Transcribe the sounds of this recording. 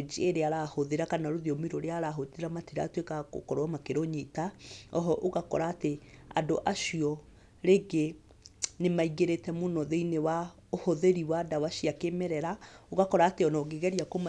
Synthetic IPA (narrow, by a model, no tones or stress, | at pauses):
d͡ʒieɾeaɾahoðeɾakanaɾoðeɔmiɾoɾeaɾaɦodeɾamatiɾa̰twekako̰kɔɾowamakeɾoɲetaɔɦɔʔoɣakɔ̰ɾaːtea̰doʔaʃiɔ | ɾeɡe | nemaiɣeɾetɛmonɔðeinewa | ohoðeɾiwadawaʃiakemɛɾɛɾaoɣakɔɾaːteɔnɔɡeɣɛɾiakoma